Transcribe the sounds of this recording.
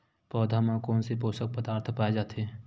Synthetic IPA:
pɔːd̪ʱamãkɔːnsep̬oːsək̚pəd̪aːɾt̪ʰpaːed͡ʒaːt̪ɦeː

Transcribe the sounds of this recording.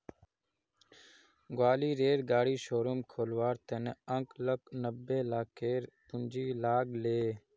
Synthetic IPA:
ɡwaːliːɾeːɾɡaːɽiːʃoːɾomkʰoːlʋaːɾt̪eneəŋkləknəbeːlaːkeːɾpʊnd͡ʒiːlaːkleː

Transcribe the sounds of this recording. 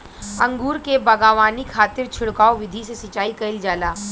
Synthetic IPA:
ɐ̃ŋɡuːɾkebɐɡaːʋaːnikʰaːt̪ɪɾt͡ʃʰʊɽkaːoʋɪd̪ʱisesɐt͡ʃːaːikɐɪld͡ʒaːlaː

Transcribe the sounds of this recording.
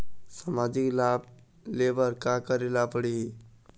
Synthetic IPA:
samad͡ʒiklab̚ | lebəɾkakəɾelapəɽiɦi

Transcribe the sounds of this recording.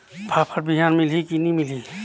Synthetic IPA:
pʰapʰəɾbiɦaːnmɪlikinimɪliː

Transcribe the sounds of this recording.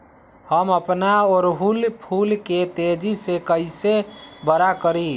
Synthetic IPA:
həməpnaɔɾɦulpʰulket̪ed͡ʒisekəɪsebəɾakəɾi

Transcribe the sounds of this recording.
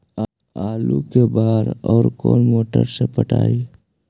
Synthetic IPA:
aːlukebaːɾɔːɾkoːnmoːʈəɾsepəʈa̰ːi

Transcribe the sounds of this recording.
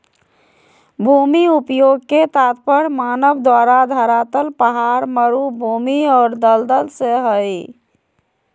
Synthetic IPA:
bʱumiupjoɡket̪at̪pəɽmanəbd̪waɾad̪ʱəɾat̪əlpəɦaɾməɾubʱumiɔːɾd̪əld̪əlseɦəj

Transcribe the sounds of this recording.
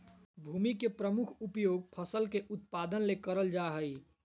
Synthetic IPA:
bʱuːmikepɾəmukʰupjoːɡ̚pʰəsəlkeʔut̪̚pad̪ənlekəɾəld͡ʒaɦəi

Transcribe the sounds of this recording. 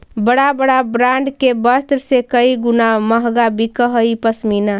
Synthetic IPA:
bəɽabəɽabɾaɳɖkebəst̪ɾsekəiɡunaməɦɡabʱikəɦəipəsmina

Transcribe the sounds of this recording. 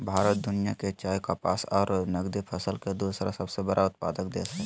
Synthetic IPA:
bʱaːɾət̪̚d̪ʊnijaket͡ʃaːjkapaːsɔːɾnəɡd̪ipʰəsəlked̪osɾasəbsebəɾʔaʊt̪̚paːd̪əkd̪ḛːsɛ

